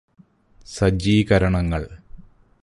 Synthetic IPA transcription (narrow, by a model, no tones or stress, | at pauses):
sɐd͡ʑiːkɐɾɐɳɐŋːɐɭ